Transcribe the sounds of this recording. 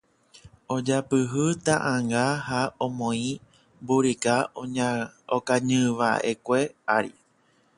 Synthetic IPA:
od͡ʒapɨɦɨt̪ãʔãŋɡahaõmõĩ | buɾika | okaɲɨ̃ʋa̰ʔekʷe̞aɾi

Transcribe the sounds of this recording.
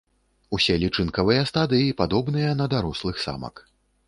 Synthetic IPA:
usʲɛlʲit͡ʂɨnkɐvɨjɐst̪ad̪ɨjipad̪ɔbn̪ɨjɐnɐd̪aɾɔslˠɨxsa̰mɐ̰k

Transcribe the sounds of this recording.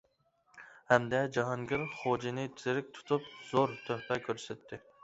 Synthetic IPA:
hæmd̪ɛd͡ʒɑɦɑŋɡʲɪɾχod͡ʒɪnɪt̪ʰizɪɾɪk̚ʲt̪ʰu̥t̪ʰup̚z̥oɾt̪ʰøht̪ɛkʲʰøɾsɛt̪ʰːɪ

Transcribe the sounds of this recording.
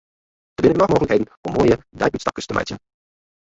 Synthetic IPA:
dəbɪnənɔχmoːɣələkejdənʔɔmːoːjədɑjbytstɑkəstəmɛ̰jtən

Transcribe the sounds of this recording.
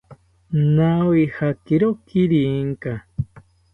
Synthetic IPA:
nawihakiɾokiɾiŋka

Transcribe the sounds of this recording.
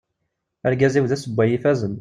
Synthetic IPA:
æɾɡæziwðæsəbʷːæjifæzən

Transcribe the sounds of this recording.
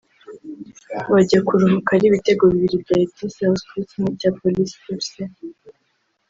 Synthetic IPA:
βaɟakuɾuɦukaɾiβite̞ɡo̞βiβiɾibɟaib̚ɟisiahoskuɾit͡semuɟaːpolisi̥koɾse

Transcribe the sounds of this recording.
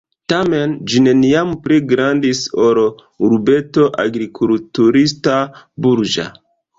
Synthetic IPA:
tame̞nd͡ʒine̞niampɾeɡɾandisoɾ | uɾbe̞to̞ʔa̰ɡɾikʰultuɾistabuɾd͡ʒa̰

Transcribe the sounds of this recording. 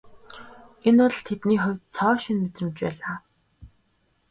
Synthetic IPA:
enʊɮt̪ʰet̪niːχɔwʲt̪t͡sʰɔːʃinmet̪rɘ̆mt͡ɕpæːɮaː

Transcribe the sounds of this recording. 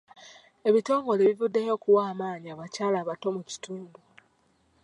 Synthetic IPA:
e̞βito̞ːŋɡo̞le̞βivudːejo̞ːkuwaːmaːɲiaβacaːlaːβato̞muci̥tuːndu

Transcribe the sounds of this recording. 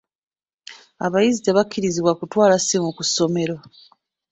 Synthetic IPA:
aβajizideβakʰːiɾiziβwakutwaːlasimukuso̞me̞ɾwa

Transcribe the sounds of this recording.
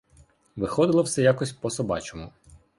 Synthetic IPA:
ʋɪxɔd̪ɪlˠɔwsɛjakɔsʲpɔsɔbɑ̰t͡ʃɔmʊ

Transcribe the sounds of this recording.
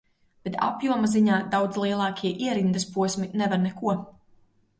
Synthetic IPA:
b̥et̪ʰa̰pjuɔmaziɲaːd̪awd̪zlˠiɛlˠɑːkʰʲiɛʔiɛɾind̪ɐspuɔsminɛvaɾnɛkuɔ

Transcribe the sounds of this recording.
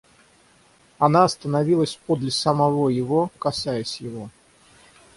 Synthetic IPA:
ɐnaɐst̪ənɐvʲilˠəsʲpod̪lʲəsəmɐvojɪvo̞kɐsajəsʲjɪvo̞

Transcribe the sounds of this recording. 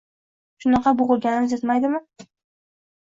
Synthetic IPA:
ʃʊnɑqɑbʊʁʊɾɡʲanɪnɪzjet̪majd̪ɪmɪ

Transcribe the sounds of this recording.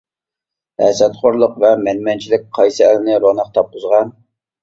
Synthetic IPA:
hɛ̰sɛt̪χoɾlˠʊqvɛmɛnmɛnt͡ʃʰilɪk̚ʲqʰɑjsɨɛlɪnɪɾonɑq̚t̪ʰɑp̚qʊzʁɑn

